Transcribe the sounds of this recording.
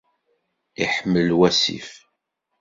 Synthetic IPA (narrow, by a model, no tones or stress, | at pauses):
iħəmːəlwæsḭf